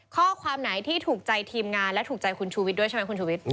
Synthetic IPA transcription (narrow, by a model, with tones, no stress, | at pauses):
kʰɔː˥˩kʰwaː˧mnaː˩˦jt̪ʰiː˥˩t̪ʰuː˨˩k̚t͡ɕa˧jt̪ʰiː˧mŋaː˧nlɛ˦˥t̪ʰuː˨˩k̚t͡ɕa˧jkʰu˧nt͡ɕʰuː˧wi˦˥du˥˩əjʰt͡ɕa˥ma˦˥ku˧nt͡ɕʰuː˧wi˦˥t̪̚